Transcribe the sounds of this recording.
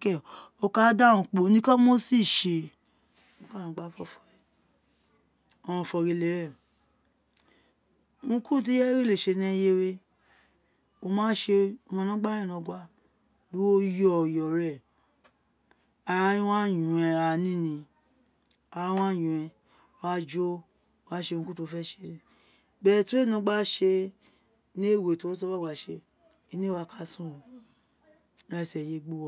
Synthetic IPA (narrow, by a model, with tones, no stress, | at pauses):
kɛ˦˨ | o˧ka˦da˦ũ˧˨k͡po˨˦nĩ˦ka˦mo˦si˦˨ʃe˧ | uõ˨˧ka˦˨ã˨˦ɡ͡ba˦fɔ˦˨fɔ˧ɛ˨ | ɔ˧w̃ɔ̃˧˨fɔ˧ɾe˧˨le˨˦ɾɛ˦˨ | ŋũ˧˦kũ˦˨t̬i˦ɛ˦ɾi˦le˨ʃe˧nɛ̃˦je˧ɾe˧ | o˧mãː˦ʃe˧o˧mã˧nã˨˦ɡ͡ba˦ɾɛ̃˦˨nɔ̃˧ɡʷa˧ | lu˨˦wo˦jɔ˦˨jɔ˨ɾɛ˦˨ | a˧ɾa˦ĩ˦wã˦˨jũ˨ɛ̃˧ɾa˧˨˦nĩ˦nĩ˧ | a˧ɾa˧˦w̃ã˦˨jũ˨ɛ̃˨˧˨ | a˧˦d͡ʒo˦˧ | wa˦ʃe˧ũ˧ku˦tu˧fɛ˦ʃe˧˦ɾi˦˨ | bɛ˦˨tu˨˦e˦˨nũ˧˦ɡ͡ba˦ʃe˧ | nĩ˦˨we˨to˨˦o˦s̬ba˦˨wa˨ʃe˧ | i˧nĩ˦wa˧ka˧sũ˦˨o˨˦ | a˧˨sɛ˨je˧ɡ͡bu˦wɔ˧